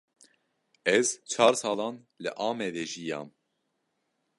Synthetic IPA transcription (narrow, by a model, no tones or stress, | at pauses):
ɛzt͡ʃʰɑːɾsɑːlɑːn | lɨʔɑːmɛd̪ɛʒijɑ̰ːm